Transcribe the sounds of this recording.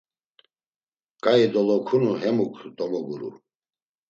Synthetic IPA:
kʼaid̪ɔlɔkʰunuɦɛmukʰd̪ɔmɔɡuɾṵ

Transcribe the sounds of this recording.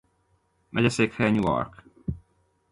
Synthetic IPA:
mɛɟɛseːkhɛɲuɔ̰rk

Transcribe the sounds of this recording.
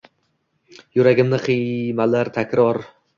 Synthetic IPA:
jʊɾaɡʲɪmnɪqʰimalaɾt̪ʰakʲɾɒɾ

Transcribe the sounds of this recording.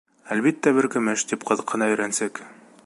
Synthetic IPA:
ælbit̪ːæbɘɾkɘ̆mɘʃt̪ip̚qʰɤ̆ðɤ̆qːɤ̆nɑɵ̆jɾænsɘk

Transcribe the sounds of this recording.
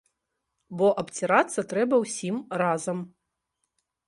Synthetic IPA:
bɔʔɐpt͡sʲiɾat̪sːɐt̪ɾɛbɐwsʲimrazɐm

